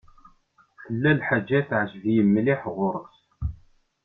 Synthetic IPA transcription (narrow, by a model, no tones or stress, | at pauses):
θəlːælħad͡ʒːæθʕəʒəvjəmːliħʁʊɾˤəs